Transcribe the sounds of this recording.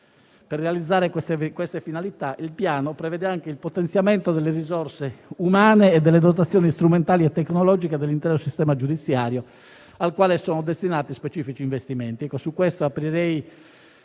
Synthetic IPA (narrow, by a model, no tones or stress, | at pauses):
perːealid̪zːaːɾekskwɛst̪efinalit̪aʔilpjaːnopɾɛvɛːd̪eaŋkeilpot̪ɛnt̪sjamɛnt̪od̪elːerizɔrseumaːneːd̪ːɛlːed̪ot̪̬at̪sːjɔːnist̪ɾument̪aːliɛt̪ːɛkːnɔlɔːd͡ʒiked̪elːint̪ɛːɾosist̪ɛːmad͡ʒud̪it̪sːjaːɾjo | alkwaːlesɔːnod̪est̪inaːt̪ispet͡ʃiːfit͡ʃiːɱvest̪iment̪iɛkːosukːwɛst̪oapːɾiɾɛj